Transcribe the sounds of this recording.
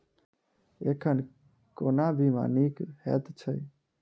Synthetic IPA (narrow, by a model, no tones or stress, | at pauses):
ekʰən | konabima̰nikhɛ̰t̪t͡ʃʰəj